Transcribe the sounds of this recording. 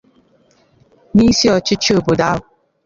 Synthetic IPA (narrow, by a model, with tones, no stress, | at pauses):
ni˦si˦ɔ˨t͡ʃɪ˦t͡ʃo˨bo˨da˦ʊ˨